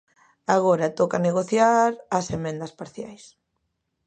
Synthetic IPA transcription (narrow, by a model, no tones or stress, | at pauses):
aɣ̞ɔɾat̪okaneɣoθjaɾɐsemẽnd̪ɐspaɾθjajs